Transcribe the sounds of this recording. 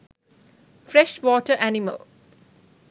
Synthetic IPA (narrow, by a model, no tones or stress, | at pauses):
fɾɛʃʋɔːʈəʔænimə̰l